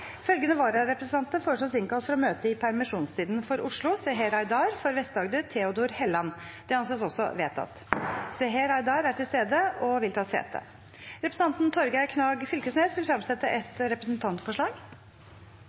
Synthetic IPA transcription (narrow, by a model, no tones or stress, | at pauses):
fœlɡənəʋɑːɾɑɾɛpɾəsən̩ɑnt̪əfoːʂɑsɪnkɑlt̪fɔɾɔmøːt̪əɪpʰæɾmɪʂuːnst̪ʰiːd̪nfɔɾʔʊʂɭʊsɛɦeɾɑɪd̪ɑːɾfɔɾʋɛst̪d̪ɑːɡd̪ət̪ʰeːʊd̪uːɾhɛlːɑnd̪̥ɛɑnseːs̬ɔsːɔ̰ʋeːt̪ʰɑ̰t̪sɛɦeɾɑɪd̪ɑːɾæʈʰɪlst̪eːd̪əɔʋɪlt̪ʰɑːsḛːt̪ə̰ | ɾɛpɾəsn̩ɑnt̪nt̪ʰɔɾɡæɪkʰnɑːɡfʏlkəsneːsʋɪlfɾɑmsɛt̪ːəʔɛt̪ɾɛpɾəsnt̪ʰɑnt̪fɔʂɭɑːɡ